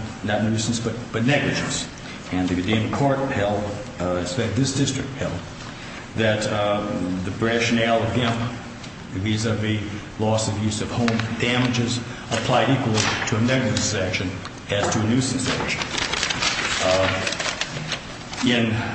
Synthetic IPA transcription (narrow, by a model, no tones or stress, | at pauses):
nɨt̚ⁿnʉsn̩sb̥ʌt̚b̥ʌtⁿnɛɡlɨd͡ʒɨ̃ns | ɨ̃nðɨɡɨdĩɪ̃mkʰɔɹt̚hɛlˠd | ɨsfɛk̚t̪̚ðɪsd̥ɪstɹ̥ɨk̚t̚hɛlˠd̚ | ðɨt̪ | ðɨbɹæʃɨnɛlˠʌvɡæ̃mp | ðizəvi | lɔsʌvjʉzʌv̥hõʊ̃mdæmɨd͡ʒɪz | əpʰl̥aɪɾikwl̩ˠiɾʰɨɨnɛɡlɨd͡ʒɨsækʃɨ̃n | ɨz̥tʰɨɨnʉsn̩sæ̰kʃɨ̃n̩ | ɪ̃n